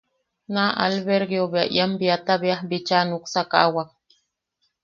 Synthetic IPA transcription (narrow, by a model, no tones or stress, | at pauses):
naʔa̰lβeɾɡjoβea̰ʔj̰ambiat̪aβeahbit͡ʃanuksaka̰ʔawak̚